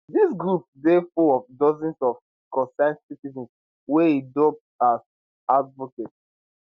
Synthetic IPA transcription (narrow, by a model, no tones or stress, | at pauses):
dis̬ɡɹupdefulɔfdɔzɛ̃nsɔf | kɔ̃sãnsitizɛ̃ns | wɛidɔp̚tas | advɔket